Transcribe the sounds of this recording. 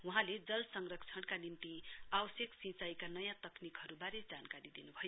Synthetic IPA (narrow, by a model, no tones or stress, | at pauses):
wuɦãled͡zʌlsʌŋrʌkt͡sʰʌɽkanimt̪iabʌsjʌksĩt͡sajkanʌjãt̪ʌknikɦʌɾubaɾed͡zankaɾid̪inubʱʌjo